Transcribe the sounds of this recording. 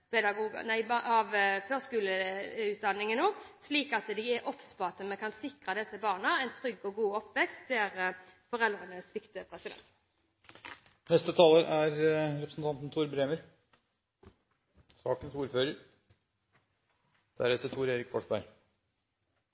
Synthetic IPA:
pɛd̪ɑɡuːɡə̰næɪbɑʋføːskʉːləʉːt̪̚d̪ɑnːɪŋənoːsliːkɑt̪d̪ɪæʔɔpspɑt̪əmɛkʰɑnsɪkʁəd̪ɛsːəbɑːʁnəæɪnt̪ʰʁʏɡɔɡuːɔpːʋɛkst̪d̪ɛæʁəfɔʁɛld̪ʁənəsʋɪkt̪əpʰɾɛsɪd̪ɛ̰nnt̪ | nɛst̪ət̪ʰɑːləɾʔæɾɾɛpɾəsn̩t̪ʰɑnt̪n̩t̪ʰuːɾbɾeːməɾ | sɑːkənsuːɾføːɾəɾ | d̪̥æɾɛt̪ːət̪ʰuːɾeːɾɪkfɔʂbæɾ

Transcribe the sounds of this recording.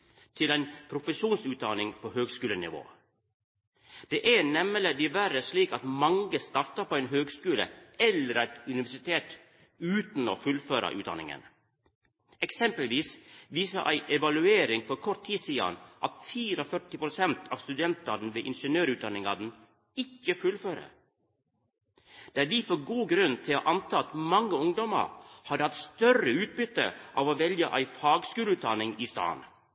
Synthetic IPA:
t̪ʰɪlæɪnpʰɾʊfəʂuːnsʉːt̪̚d̪ɑnɪŋpʰoːhøːɡskʉːlənɪ̰ʋo̰ː | d̪̥ɛʔæɳɛmələd̪ɪʋæɾəsɭiːkɑt̪mɑŋɡəst̪ɑɾt̪ɑpʰoeːnɦøːɡskʉːlə̰ɛlːəɾæɪt̪ʉnɪʋæʂɪt̪ʰeːt̪ | ʉːt̪n̩oːfʉlføːɾɑ̰ʔʉ̰ːd̪ɑ̰nɪ̰ŋə̰n | ɛksɛmpəlʋiːsʋiːsɑ̰ʔæ̰ɪʔɛʋɑlʉeːɾɪŋfɔɾkʰɔɾt̪ʰːiːsiːɑ̰nʔɑt̪fiːɾəfœʈɪpɾʊsɛnt̪ʰɑ̰ːʋst̪ʉd̪ɛnt̪ɑd̪n̩ʋeːʔɪnʂənøːɾʉːd̪ɑnɪŋɑd̪n̩ | ɪkːəfʉlføːɾə̰ | d̪̥eːæːdiːfoɡuːɡɾʉnt̪ʰɪlo̰ːʔɑnt̪ʰɑːɑt̪mɑŋːəʊŋd̪ɔmə̰ɾhɑd̪əhɑt̪st̪œrəʉːt̪̚bʏt̪ə̰ʔɑːʋoːʋɛljəʔæɪfɑːɡskʉːləʉːt̪̚d̪ɑnɪŋiːst̪ɑ̰ːn

